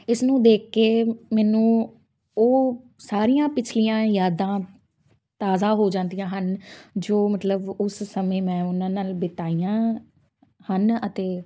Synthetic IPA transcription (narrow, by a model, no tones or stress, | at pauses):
ɪsnũːd̪eːkːeːmɛːnũː | oː | saːɾijãːpɪt͡ʃʰlijãːjaːd̪ãː | t̪aːzãːɦoːd͡ʒãːnd̪ijãːɦənd͡ʒoːmət̪ləbʊssəmẽːmɛ̃ːʊnãːnaːlbɪt̪aːijãː | hənət̪eː